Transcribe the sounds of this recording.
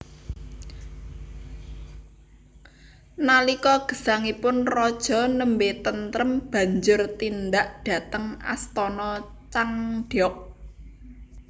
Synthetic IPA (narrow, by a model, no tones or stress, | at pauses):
nalikɔɡ̥ə̤saŋipʊnrɔd̥ʒ̥ɔ̤nəmbet̪ənt̪ɾəmb̥ä̤ɲd͡ʒʊrt̪ind̪aʔɖ̥a̤t̪əŋa̰st̪ɔnɔ | t͡ʃaŋɖ̥ɔk̚